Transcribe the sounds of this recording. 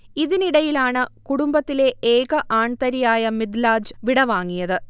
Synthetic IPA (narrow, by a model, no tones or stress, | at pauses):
iðiniɽɐjilaːɳɨkuɽumbɐt̪ːile̞eːɣɐʔaːɳt̪ɐɾijaːjɐmid̪laːd͡ʑʋiɽɐʋaːŋːijɐðɨ